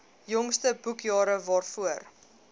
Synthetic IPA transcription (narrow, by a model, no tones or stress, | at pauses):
jɔŋstəbukjɑːɾəvɑːrfuər